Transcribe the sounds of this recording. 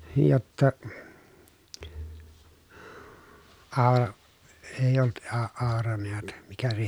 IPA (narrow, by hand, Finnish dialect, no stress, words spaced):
jotːɑ ɑː eˑij olːut ɑ ɑorɑ neæt mikæ se